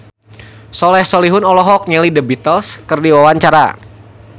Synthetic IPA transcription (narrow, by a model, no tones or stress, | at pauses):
sɔlɛhsɔliɦʊnɔlɔɦɔk̚ɲɛlidəbit̪əlskərdiwawaɲt͡ʃaɾa̰